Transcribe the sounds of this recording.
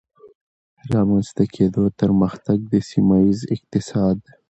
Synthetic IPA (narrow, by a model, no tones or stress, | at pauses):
ɾɑmanzt̪akʰeːd̪ot̪əɾməxt̪aɡ̚d̪esimaizɪq̚t̪ɪsɑːd̪